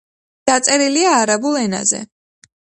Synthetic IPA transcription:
d̪̥at̪sʼɛɾiliaːɾabulˠɛna̰zɛ̰

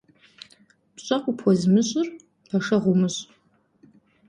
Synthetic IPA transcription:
pʰt͡ʃʷʼaqʷʼʊpʰwazmɨʃʷʼʊr | pʰaʂaʁʷumɨɕʷʼ

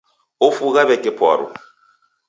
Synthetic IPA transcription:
ofuɣaβɛkʼɛpʰa̰ːɾɔ̰

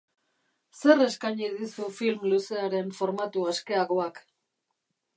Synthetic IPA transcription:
se̞re̞skaɲiðisufilmluse̞aɾe̞ɱfo̞ɾmat̪uaske̞aɣoak

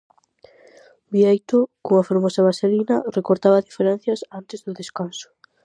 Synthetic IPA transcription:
biejt̪ʊkoŋafoɾmɔsɐβaselinɐrekoɾt̪aβɐðifeɾɛnθjɐsant̪ɪzðʊðeskansʊ̥

